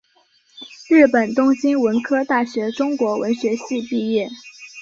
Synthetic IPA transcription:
ɻ̩˥˩pə˨˩nt̪ʊ˥ŋɕi˥nwə˧˥nkʰɤ˥t̪a˥˩ɕɥɛ˧˥ʈ͡ʂʊ˥ŋkwɔ˧˥wə˧˥nɕɥɛ˧˥ɕi˥˧pi˥˧jɛ˥˩

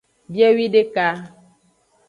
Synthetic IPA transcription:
bjɛ˦wi˦de˦ka˦

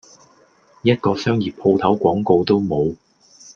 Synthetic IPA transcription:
jɐ˥t̚kɔː˧sœː˥ŋjiː˨˩pʰo˧wt̪ʰɐ˨˥wkʷɔː˨˥ŋko˧wt̪o˥wmo˨˧w

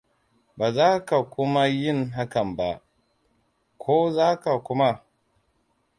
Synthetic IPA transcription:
baː˨zaː˦ka˨kʷʊ˦ma˦jɪ˦˨nɦa˦kɐ˨mba˦ | kʷʰoː˦zaː˦ka˨kʷʊ˦ma˦

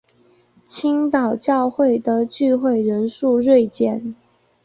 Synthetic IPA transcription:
t͡ɕʰi˥ŋt̪ɑ˨˩ʊt͡ɕjɑ˥˧ʊxwe˥˩ɪd̪ə˩t͡ɕy˥˧xwe˥˩ɪɻə˧˥nʂu˥˧ɻwe˥˧ɪt͡ɕjɛ˥˩n

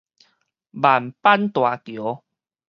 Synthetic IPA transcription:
ba˨˩mpa˦nt̪wa˨˩kjo˨˦

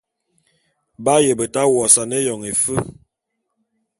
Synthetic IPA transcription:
ba˦jə˨bə˨ta˦wɔ˨sa˨ne˦jɔ˨ŋe˨fə˦

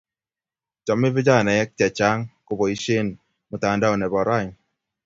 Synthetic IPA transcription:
t͡ʃɔ˨mːi˦vi˦d͡ʒa˦˨nɛ˨jɛ˦k̚t͡ʃɛ˨t͡ʃa˦ŋko˦bɔ˨i˦ʃe˦n | mu˨ta˨n˦da˦o˨nɛ˨bɔ˨ɾa˦˨

